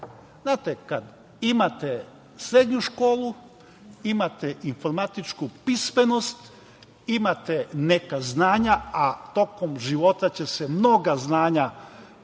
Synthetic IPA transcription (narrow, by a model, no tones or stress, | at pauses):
znaːt̪ekad̪ | imat̪e | sɾe̞d̪ɲuʃko̞ːlˠu | imat̪einfo̞ɾmat̪it͡ʃkupisme̞no̞st̪ | imat̪ene̞kaznaːɲaat̪o̞ko̞mʒiʋo̞t̪at͡ɕe̞semno̞ɡaznaːɲa